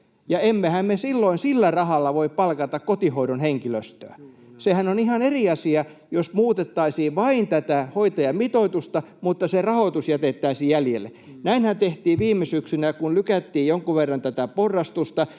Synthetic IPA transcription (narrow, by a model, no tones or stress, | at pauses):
jɑemːehæmmesilːoinsilːærɑhɑlːɑʋoippɑlkɑt̪ɑkkot̪ihoiɾonheŋkiløst̪øæ | sehænonihɑneriɑsiɑ | josmuːt̪et̪ːɑisiːʋɑint̪æt̪æhoit̪ɑjɑmit̪oit̪ust̪ɑ | mut̪ːɑserɑhot̪usjæt̪et̪ːæisiːjjæljelːḛ | næinhænt̪eht̪iːʋʋiːmːesyksynækunlykæt̪ːiːjjoŋkuʋerːɑnt̪æt̪æporːɑst̪ust̪ɑ